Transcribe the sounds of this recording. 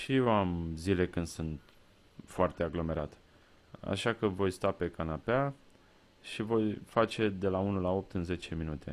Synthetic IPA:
ʃijeamzile̞kɨnd̪sunt̪ | foart̪e̞aɡlo̞me̞ɾat̪ | a̰ʃakəvo̞jst̪ape̞kanapea | ʃivo̞jfat͡ʃe̞d̪e̞launulao̞p̚t̪ɨnze̞t͡ʃe̞minut̪e̞̰

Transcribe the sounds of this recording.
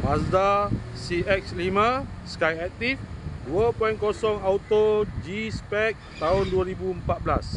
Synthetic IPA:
masda | siɛkslimãsə̥kajɛk̚t̪ifduapɔjnkɔsɔŋawt̪od͡ʒispɛk̚t̪aʊnduaɾibuəmpat̪̚bla̰s

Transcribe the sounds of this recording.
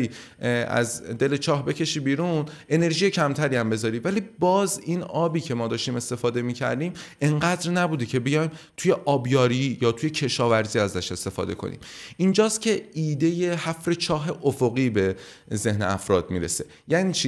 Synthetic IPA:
iː | æ̰zd̪e̞le̞t͡ʃʰɒːhbe̞cʰe̞ʃiːbiːɾune̞ne̞ɾʒijecʰæmt̪ʰæɾiːæmbe̞zɒːɾiːvæliːbɒːziːnɒːbiːcʰe̞mɒːd̪ɒːʃt̪iːme̞st̪e̞fɒːd̪e̞miːcʰæ̰ɾd̪iːme̞ɴɢæːd̪ɾnæbuːd̪ecʰe̞bejɒjmt̪ʰujeʔɒːbjɒːɾijɒːt̪ʰuje̞cʰe̞ʃɒːvæɾziːæzæʃe̞st̪e̞fɒ̰ːd̪e̞kʰo̞̰nḭːmind͡ʒɒːst̪̚cʲʰe̞ʔiːd̪e̞jehæfɾe̞t͡ʃʰɒːɦe̞ʔofo̞ɣiːbe̞ | ze̞hneæfɾɒ̰ːd̪miːɾe̞̰se̞̥ | jæːniːt͡ʃʰi

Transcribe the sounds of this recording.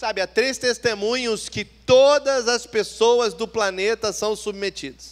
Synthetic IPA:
sabɪat̪ɾest̪est̪emũɲʊskɪtt̪od̪ɐzɐspesowɐzd̪ʊplanet̪ɐsɐ̃w̃submet͡ʃid̪ɐs

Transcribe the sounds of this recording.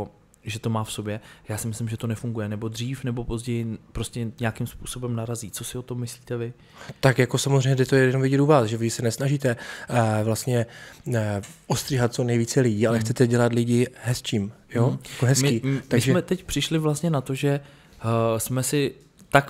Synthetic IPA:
ʒɛt̪o̞maːfso̞bjɛjaːsɪmɪslɪmʒɛt̪o̞nɛfuŋɡujɛnɛbo̞d̪r̝iːfnɛbo̞po̞zɟɛjɪpɾo̞scɛɲɛakɪmspuːso̞bɛmnaɾaziːt͡sosɪo̞t̪o̞mːɪsliːt̪ɛvɪ | t̪akjako̞samozr̝ejɲɛdɛt̪ojɛjɛɛnomvɪɟɛt̪uvaːsʒɛvɪsɛnɛsnaʒiːt̪ɛvlast̪ɲɛ | ʔost̪r̥iɦat̪̚t͡so̞nɛjviːt͡sɛlɪɟiːalɛxt͡sɛt̪ɛɟɛlat̪lɪɟɪɦɛst͡ʃiːm | joakoɦɛsmkɪiːt̪aɡsʒɛmɛt̪ɛcpr̝̥ɪʃlɪvlast̪ɲɛnat̪o̞ʒɛ | smɛsɪ | t̪ak

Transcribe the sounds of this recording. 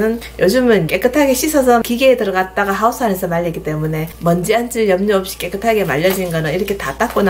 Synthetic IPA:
nɯn | jʔod͡ʑɯmɯnk͈e̞k͈ɯtʰaɡe̞ɕʰisʰʌs̬ʰʌkiɡeːtɯɾʌɡat̚t͈aɡaɦaos͈ʰanesʰʌmaʎːikit͈e̞mune̞mʌnd͡ʑiant͡ɕ͈ijʌmɲʌop̚ɕ͈i̥k͈e̞k͈ɯtʰaɡe̞maʎːʌd͡ʑinnɡʌnɯniɾʌkʰe̞tat͈ak͈̚ona

